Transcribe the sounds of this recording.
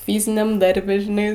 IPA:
ˈfʲiːzʲɪnʲɛm ˈdɐrʲbʲɛ ʒʲɪˈnɐɪ

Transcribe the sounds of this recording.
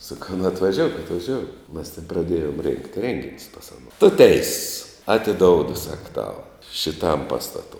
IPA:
sɐˈkɐʊ nʊ ɐtʋɐˈʒʲoːʊk ɐtʋɐˈʒʲoːʊk mɐs tʲɛn prɐˈdʲeːjoːm rʲeːŋkt ˈrʲeːŋʲɡʲɪnʲʊs pɐs ɐˈnoː tʊ ˈtʲɛɪss ɐtʲɪˈdoːʊdʊ sɐk tɐʊ ʃʲɪˈtɐm ˈpɑːstɐtoː

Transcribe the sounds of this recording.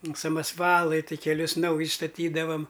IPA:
sɐmɐsˈʋɑːlˠɐɪ tɐɪ kʲɛˈlʲʊs ˈnɐʊjɪs stɐˈtʲiːdɐʋɐm

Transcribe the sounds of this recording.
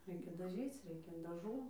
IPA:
ˈrʲɛɪkʲɛ dɐˈʒʲiːt͡s ˈrʲɛɪkʲɛ dɐˈʒuː

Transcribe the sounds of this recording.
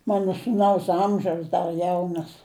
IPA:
ˈmɑːnoː suːˈnɐʊs ˈɐmʲʒʲɛʊs ˈdɐr ˈjɛʊnɐs

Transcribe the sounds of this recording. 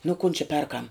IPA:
nʊ kʊn t͡ʃʲɪ ˈpʲɛrkɐm

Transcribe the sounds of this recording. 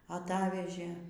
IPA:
ɐˈtɑːʋʲɛʒʲeː

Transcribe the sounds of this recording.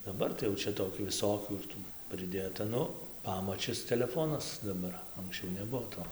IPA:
dɐˈbɐr tɐɪ jɛʊ ˈt͡ʃʲɛ toːˈkʲuː ʋʲɪˈsoːkʲuː ɪr ˈtuː pʲrʲɪˈdʲeːtɐ ˈnʊ ˈpɑːmɐt͡ʃʲɪs tʲɛlʲɛˈfoːnɐs dɐˈbɐr ɐŋksʲˈt͡ʃʲɛʊ nʲɛˈbuɔ ˈtoː

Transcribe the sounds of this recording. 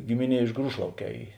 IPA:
ˈɡʲɪmʲɪˌnʲiɛ ɪʃ ˈɡruːʃlˠɐʊˌkʲɛː ˈiː

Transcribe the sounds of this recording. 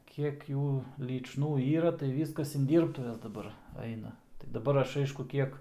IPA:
ˈkʲiɛk ˈjuː lʲiːt͡ʃˈnuː ˈiːrɐ tɐɪ ˈʋʲiːskɐs ɪn ˈdʲiːrptʊʋʲɛs dɐˈbɐr ˈɐɪnɐ tɐɪ dɐˈbɐr ˈɐʃ ˈɐɪʃkʊ ˈkʲiɛk

